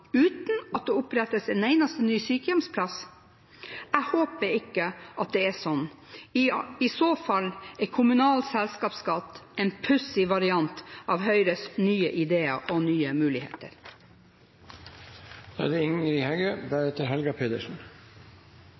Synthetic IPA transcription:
ʉːt̪n̩ɑt̪̚d̪eːʊpɾɛt̪ːəsɛnæɪnɑst̪ənyːsyːkəjɛmspʰlɑs | æɪhoːpəɾɪkːəʔɑt̪̚d̪ɛːæsɔnː | ɪsoːfɑlːɛkʰʊmʉnɑːlsɛlskɑːpskɑt̪ːɛːnpʰʉsɪʋɑɾɪɑnt̪ʔɑːʋɦœʏɾənyːəʔɪd̪eːə̰ʔɔnyːəmʉːlɪhḛːt̪ə̰ɾ | d̪̥ɑ̰d̪ɛɪŋəɾɪhɛɡøːbæːɾɛt̪əɾɦɛlɡɑpʰeːd̪əʂn̩

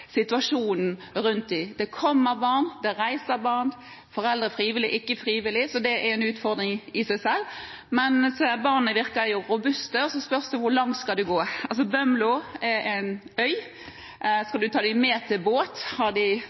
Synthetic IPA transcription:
sɪt̪ʋɑʂuːnn̩ɾʉnt̪̚d̪ɪd̪̥ɛkʰɔmːəbɑʁnd̪ɛɾæɪsəbɑʁn | fɔɾɛld̪ɾəfɾiːʋɪlɪ̰ʔɪkːəfɾiːʋɪlːɪsɔd̪ɛʔɛɾɛnʉːt̪fɔʁd̪ɾɪŋɪsæɪsɛlː | mɛnsbɑʁnəʋɪɾkəjʊɾʊbʉst̪əɔsɔspœʁsd̪ʉʋʊɾlɑŋt̪skɑld̪ʉɡoːɑls̬ɔbœmlʊɛɾæɪnœʏ | skɑld̪ʉt̪ʰɑːd̪æɪmɛːt̪ʰɪlboːt̪hɑʁd̪ɪ

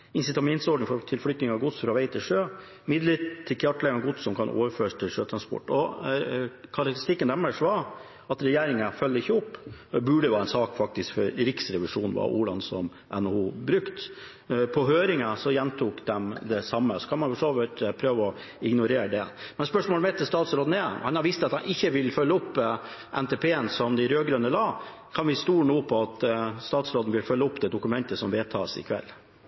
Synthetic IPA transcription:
ɪnsɪt̪ɑmɛnt̪sɔɖɪfɔɾt̪ʰɪlflʏt̪nɪŋɑɡʊt̪sfɾɑʋæɪt̪ʰɪlʂøː | mɪd̪lɪt̪t̪ʰːɪlkʰjɑʈːlɛɡənɡʊt̪sɔmkʰɑnʔo̰ːʋəɾføːʂt̪ʰɪlʂøːt̪ʰɾɑnspɔ̰ʈːɔ | kʰɑɾɑkt̪ɾɪst̪ɪkːənæmːəʂʋɑ | ɑt̪ɾɛjeːɾɪŋəfœlːəɪçːəɔpːɛbʉɖəʋæːɾɛnsɑːkfɑk̚t̪ɪskfɔɾɾɪksɾɛʋɪʂuːnnʋɑ̰ʔṵːlɑ̰nsɔm | ʔɛ̰nːɔhuːbɾʉkt̪ | pʰɔɦøːɾɪŋəsɔjɛnt̪ʰuːkd̪ɛmd̪ɛsɑmːəsɔ̥kʰɑnmɑnfɔʂoːʋəʈpʰɾøːʋəɔ | ɪɡnʊɾeːɾəɖɛmɛnspœʂmoːlmɛt̪ʰːəst̪ɑːt̪sɾoːd̪n̩ɛhɑnhɑɾʋɪst̪əɑt̪ɑnɪçːəʋɪlfœlːəɔpːʔɛnt̪ʰɛːpʰeːənsɔmd̪ɪɾøːɡɾønəlɑː | kʰɑnʋɪst̪uːnuːpʰɔɑt̪st̪ɑːt̪sɾoːd̪n̩ʋɪlfœlːəɔpːd̪ɛd̪ʊkʉmɛnt̪əsɔmʋeːt̪ʰɑːsɪ̰kʰʋɛ̰lː

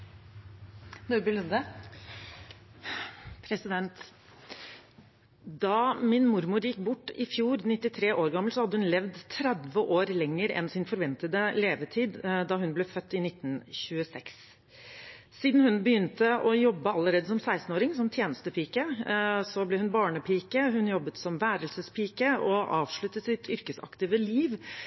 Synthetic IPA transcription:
d̪ʉbəlʉnd̪ə | pʰɾɛsɪd̪ɛnt̪ | d̪ɑːmɪnmʊɾmʊɾjɪkːbʊʈːɪfjuːɾnɪt̪ːɪt̪ʰɾeːʔoːɾɡɑmːl̩sɔhɑd̪ːəhʉnlɛʋd̪t̪ʰɾæd̪ʋəʔoːɾlɛŋːəɾɛ̰nsɪnfɔɾʋɛnt̪əd̪əleːʋət̪ʰiːd̪d̪ɑɦʉnblɛfœt̪ːɪnɪt̪ːn̩ɕʉəsɛks | siːd̪n̩hʉnbəjʏnt̪əʔɔjɔbːəɑlːəɾeːd̪əsɔmsæɪst̪n̩oːɾɪŋsɔmt̪ʰjeːnəst̪əpʰiːkəsɔblɛhʉnbɑːɳəpʰiːkəɦʉnjɔbːət̪sɔmʋæːɾəlsəspʰiːkəʔɔʔɑːʋʂɭʉt̪ːət̪sɪt̪ʰʏɾkəsɑ̰kt̪ɪːʋəliːʋ

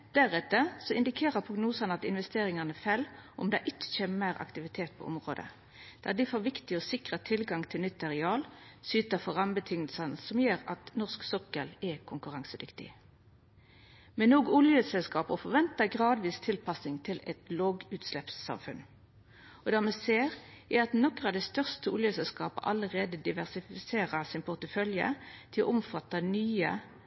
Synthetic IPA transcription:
d̪̥æʁɛt̪ːəsɔɪnd̪ɪkʰeːʁəpʰʁʊɡnuːsɑnəɑt̪ɪnʋɛst̪eːʁɪŋɑnəfælʔɔmd̪ɛʔɪt̪çəmæːʁɑ̰kt̪ɪʋɪt̪ʰeːt̪̚pʰo̰ːʔɔmʁo̰ːd̪ə̰ | d̪̥æ̰ʁd̪ɪfoːʋɪkt̪ɪɔsɪkʁət̪ʰɪlɡɑŋt̪ʰɪlnʏt̪ːɑʁɪɑːlsyːt̪əfɔʁɑmbət̪ʰʏŋəlsɑnəsɔmjøːʁɑt̪nɔʁsksɔkəlɛkʰʊŋkʉʁɑŋsəd̪ʏkt̪ɪ̰ | mɛnːoːɡʊljəsɛlskɑːpɔfɔʁʋɛnt̪əɡʁɑːd̪ʋiːst̪ʰɪlpɑsnɪŋt̪ʰɪlɛt̪loɡʉːt̪slɛpsːɑ̰mfʉn | ɔd̪æːmɛseːʁ | æɾɑt̪nɔkʁɑd̪ɛst̪œʁst̪əʊljəsɛlskɑːpə̰ʔɑləʁeːd̪əd̪ɪʋæʁsɪfɪseːʁəsɪnpʰʊʁt̪əfœljə̰t̪ʰɪlɔ̰ʔʊmfɑt̪ːɑnyːə̰

